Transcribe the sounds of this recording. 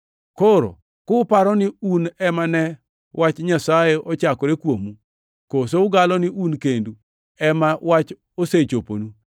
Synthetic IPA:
koɾo̰ | kʊpaɾɔnɪunɛmanɛ | wat͡ʃɲasajeʔɔt͡ʃakɔɾekwomu | kosoʊɡalɔnɪʔunkendu | ɛmawat͡ʃ | oset͡ʃopo̰nu

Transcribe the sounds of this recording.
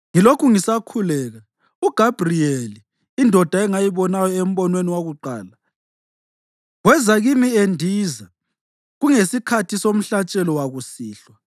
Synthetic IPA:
ŋilokʰuŋisakʰulɛːɣa | uɡ̥ʱab̥ʱrieliː | ndʱɔd̥ʱaɛŋajiβɔnajɔem̩βɔnweniwaɣuǃaːla | ɣwɛzaɣimiendʱiːza | ɣuŋesikʰatʰisom̩ɬat͡ʃʼɛlɔwaɣusiːɬwa

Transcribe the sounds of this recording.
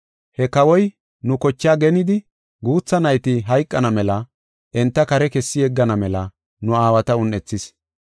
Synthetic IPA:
hɛkɐwɔj | nʊkɔt͡ʃːɪaːɡɛnɪd̪ɪ | ɡuːt͡sːɐnɐjt̪ɪɦɐjkʼːɐnɐmɛlɐ | ʔɛnt̪ːɐkɐɾɛkɛsːɪjɛɡːɐnɐmɛlɐ | nʊaːwɐt̪ɐʊnːɛt͡sːɪs

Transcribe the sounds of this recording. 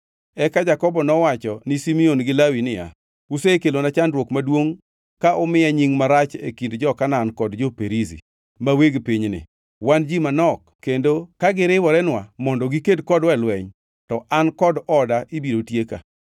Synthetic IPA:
ɛkad͡ʒakɔbɔnɔwat͡ʃɔnɪsimionɡɪlawinɪja̰ | usekelonat͡ʃandɾwokmadwoŋ | kaʔʊmɪaɲiŋmaɾat͡ʃḛkindd͡ʒɔkanaːnkɔdd͡ʒopeɾizḭ | maweɡpiɲnɪ̰ | wand͡ʒimanɔkːendokaɡɪɾɪwɔɾɛnwamɔndɔɡikedkɔdwɛlwɛɲ | tɔʔankɔdɔdaʔibiɾotjeka̰

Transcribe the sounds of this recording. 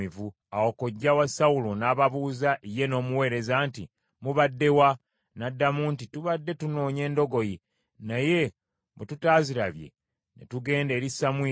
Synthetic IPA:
ivu | awoko̞ɟːawasaulonaːβaβuːzaʔije̞no̞ːmuwe̞ːɾe̞zaːnti | muβadːe̞wa | nadːamuntituβadːe̞tuno̞ːɲe̞ːndo̞ɡo̞ji | naje̞ | mututaːziɾaβje̞̰ | nḛtuɡe̞ːnde̞ːɾisamwiː

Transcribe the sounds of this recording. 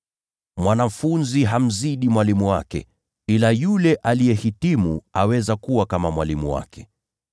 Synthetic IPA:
mwanam̩funziɦam̩ziɗimwalimuwa̰kɛ̰ | ilajulɛʔalijɛhitimuawɛzakuwakamamwalimuwa̰kɛ̥

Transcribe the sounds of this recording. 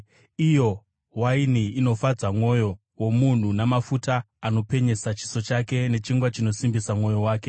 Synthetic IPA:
ijo̞ | wainiːno̞fad͡zamo̞jo̞ | wo̞mun̤unamafutaː | no̞pe̞ɲe̞sat͡ʃi̥so̞t͡ʃake̞ne̞t͡ʃiŋɡwat͡ʃino̞simbisamo̞jo̞waːke̞

